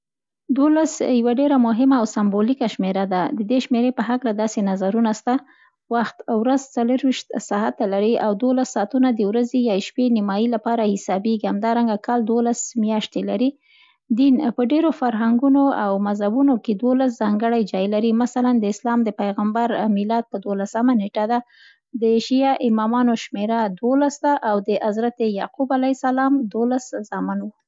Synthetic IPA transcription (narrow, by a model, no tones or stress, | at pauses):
d̪olasjawaɖeɾamʊɦɪmaːwsambolikaʃmeɾad̪ad̪əd̪eʃmeɾepəɦaklad̪ɑsenazaɾunast̪a | waxt̪wɾazt͡saləɾwiʃt̪sɑɦat̪ːalaɾiawd̪wolasːɑːt̪unad̪əwɾazejɑʃpenimɑjilapɑɾahɪsɑbeɡihamd̪ɑɾaŋɡakɑld̪wolasmjɑʃt̪elaɾi | d̪inpəɖeɾofaɾɦaŋɡunoawmazhabunoked̪wolas̬zɑŋɡəɽajd͡ʒɑjlaɾimasaland̪əɪslɑmd̪əpajɣambaɾmɪlɑd̪̚pəd̪olasamaneʈad̪a | d̪əeʃijɑʔɪmɑmɑnoʃmeɾad̪wolasd̪aʔawd̪əʔazɾat̪ejɑqubalajsalɑmd̪olaszɑmanwu